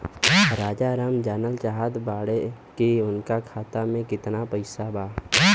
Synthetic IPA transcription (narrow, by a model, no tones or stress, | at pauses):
ɾaːd͡ʒaɾaːmd͡ʒəːnəlt͡ʃaɦaːd̪baːɽe | keʊnkakʰaːt̪amẽkɪt̪napəɪsabaː